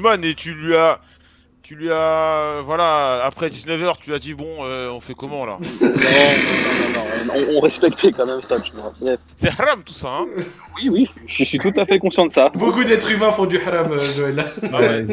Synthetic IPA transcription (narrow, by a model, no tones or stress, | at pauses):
manet̪ylɥia | t̪ylɥiavwalaːpχɛd̪iznœvœʁt̪yyad̪ibɔ̃øɔ̃fɛkɔmɑ̃la̰nɔ̃nɔ̃ɔ̃nɔ̃nɔ̃ɔ̃ɔ̃ʁɛspɛkt̪ʰɛkɑ̃mɛmsaʒəabʁɛfsɛħaɾamt̪usaɛ̃ | wiwi | ʒɥəsɥit̪ut̪afɛkɔ̃sjɑ̃t̪d̪əsabokud̪ɛt̪χymɛ̃fɔ̃d̪yħaɾamøʒoɛlːawɛ